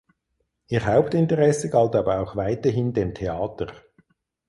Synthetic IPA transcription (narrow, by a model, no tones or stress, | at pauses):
ʔiːʁɦaʊptɪntəʁɛsəɡaltaːbəaʊxvaɪtəɦɪndeːmtʰeaːtəʁ